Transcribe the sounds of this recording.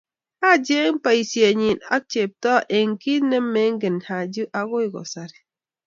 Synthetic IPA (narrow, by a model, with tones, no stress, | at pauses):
ha˦˨d͡ʒe˦m̩˦pa˨i˨sje˨ɲi˨na̰˦t͡ʃe˨p̚tɔ˦ʔe˨ŋ̩˨ki˦ne˦mːe˨˦ŋ̩˦ɡɪ˨nha˨d͡ʒu˦ʔa˦ɡo˦i˨ɡɔ̰˨sa˦ɾi˨